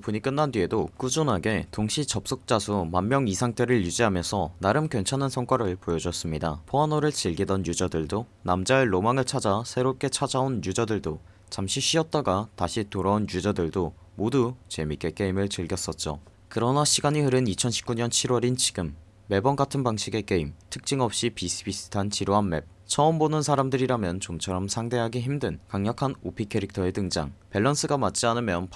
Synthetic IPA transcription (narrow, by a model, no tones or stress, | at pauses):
puɲik͈ɯnːandɥie̞dok͈ud͡ʑonɦaɡe̞toŋɕʰit͡ɕʌp̚s͈ok̚t͡ɕ͈asʰumamːjʌŋisʰaŋt͈ʰe̞ɾɯɭjud͡ʑiɦamjʌnsʰʌnaɾɯmkjʌnt͡ɕʰanansʰʌŋk͈aɾɯɭpojʌd͡ʑʌs͈ɯmɲida̰pʰoanoɾɯɭt͡ɕiɭɡidʌnjud͡ʑadɯɭdonamd͡ʑaɭːomaŋɯɭt͡ɕʰad͡ʑasʰe̞ɾop̚k͈e̞t͡ɕʰad͡ʑaonjud͡ʑadɯɭdo | t͡ɕamɕʰiɕ͈ʰiʌt̚t͈aɡataɕʰitoɾaunjud͡ʑadɯɭdo | modut͡ɕe̞mik͈e̞k͈e̞imɯɭt͡ɕɯɭɡjʌs͈ʌt̚t͡ɕ͈o̰ | kɯɾʌnaɕʰiɡaɲiɦɯɾɯnit͡ɕʰʌnɕʰi̥p̚k͈uɲʌnt͡ɕʰiɾwʌɾint͡ɕi̥ɡɯmː | e̞bʌnɡatʰɯnbaŋɕʰiɡe̞k͈e̞imtʰɯk̚t͡ɕ͈iŋʌp̚ɕ͈ipis͈ʰɯbisʰɯ̥tʰant͡ɕiɾoɦanme̞̰p̚ | t͡ɕʰʌːmbonɯnsʰaɾamdɯɾiɾamjʌnt͡ɕomt͡ɕʰʌɾʌmsʰaŋde̞ɦaɡiçimdɯnkaŋɲʌkʰanopʰikʰe̞ɾik̚tʰʌe̞tɯŋd͡ʑa̰ŋpe̞ɭːʌns͈ʰɯɡamat͡ɕ͈ianɯmjʌn